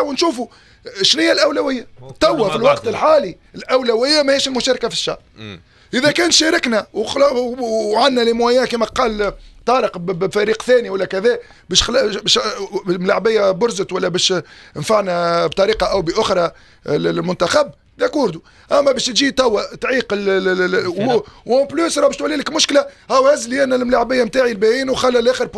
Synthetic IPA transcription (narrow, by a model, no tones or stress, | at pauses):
wnʃuːfu | ʃlɪjːælʔæwlæwɪjːat̪ˤːɑwːafilwɑqt̪ɪlħaːli | ɪlʔæwlæwɪjːæmæhiːʃɪlmʊʃæːɾkafi̥ʃːɑ̰ʕ | ʔɪðækɛːnt̪ʃæːɾɪknæwl | ʕanːælimwæjæːkiːmæqɑːlt̪ˤɑːɾəqbbfæɾiːqθæːniwælːækæðɛː | bɛːʃxlbɛːʃmlaʕbɪjːæbʊɾzət̪wælːæbæːʃnfaʕnæbt̪ˤɑɾiːqɑʔæwbəʔʊxɾˤɑ | mʊnt̪axab | d̪ækwʊɾd̪u | ʔæmːæbæːʃt̪ʒiːt̪ˤɑwːat̪ʕiːqəl | wpluːsɾˤɑːbɛʃt̪wælːiːləkmʊʃklæhawːhæzliʔænːælmlaʕbɪjːamt̪aːʕilbæjiːnwxælːælʔæːxəɾ